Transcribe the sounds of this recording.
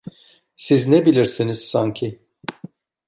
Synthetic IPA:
siznebilʲiɾsiniz̥saɲcʰɪ

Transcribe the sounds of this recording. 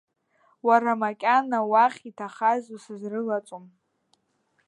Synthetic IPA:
waɾamakʲʼanawaχʲitʰaχazusɨzrɨlat͡sʼom

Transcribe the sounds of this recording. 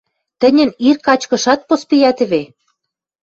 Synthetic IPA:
t̪ə̆nʲə̆nirkɑt͡ɕkɤ̆ʃɑt̪̚pospijæt̪ɘ̆βe

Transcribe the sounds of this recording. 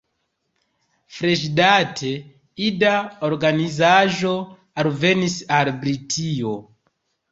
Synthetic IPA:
fɾeʃdatʰe | idaoɾɡanizaʒo | alve̞nisalbɾitʰio

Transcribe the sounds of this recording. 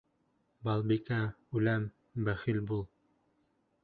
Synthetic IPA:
bɑlˠbikæ | ʉlæm | bæχilbulˠ

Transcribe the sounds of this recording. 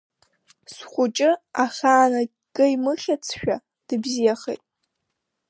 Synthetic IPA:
sχʷʊt͡ʃʼɪaχʲaːna | kʼɨimɨχʲat͡sʰʃᶣa̰ | d̥ɨbzijaχejtʼ

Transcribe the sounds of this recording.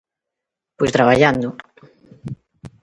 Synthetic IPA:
pojst̪ɾaβaʎand̪ʊ

